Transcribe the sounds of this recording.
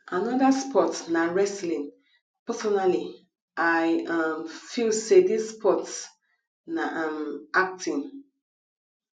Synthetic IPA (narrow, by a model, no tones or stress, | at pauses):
anɔdaspɔtnaɹɛslĩn | pɛsɔnali | aɪamfilsedisspɔts | naʔãmak̚tʰĩn